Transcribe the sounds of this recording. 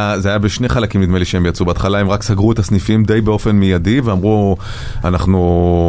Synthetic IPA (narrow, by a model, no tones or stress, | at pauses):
azeajabeʃne̞χalakimnit̪meliʃeembjat͡subeat̪χalaemʁaksaɡʁuet̪asnifimd̪ejbeo̞fe̞nmijadiveamʁu | anaχnu